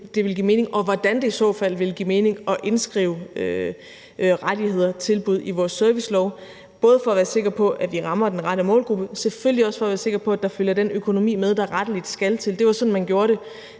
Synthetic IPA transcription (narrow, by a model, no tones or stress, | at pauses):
d̥e̝ʋe̝lɡḭme̝ːne̝ŋʔɒ̽ʋɒd̥ænd̥e̝isɔ̰ːfæl̰ʋe̝ləɡ̥ḭme̝ːne̝ŋɒ̽ʔe̝nsɡ̥ʁḭːʊø | ʁaɾ̥ihe̝ð̞̰ˠɐt͡sʰe̝lb̥uð̞̰ˠiʋɒːsːøɐʋislɒʊ | b̥ɔ̽ːð̞̩ˠfɒ̽æʋæːɐse̝ɡ̥ɐpʰɒ̽ʔæʋiʁɑ̈mɐd̥enʁɑɾəmɔ̰ːlɡ̥ʁub̥əsefølliɒ̽sfɒ̽ɐʋæːɐse̝ɡ̥ɐpʰɒ̽æd̥ɑ̈føljɐd̥enøkʰo̝no̝mḭːmeð̞ˠd̥ɑ̈ʁɑd̥əlid̥sɡ̥ælt͡sʰe̝ld̥e̝ʋɑ̈sɒ̽nn̩mænɡ̥jo̝ːɐɾe̝